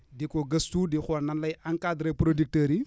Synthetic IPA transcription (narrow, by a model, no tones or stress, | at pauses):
dikoɡɐstudixnɐnlajaŋkadɾepɾodik̚təːɾi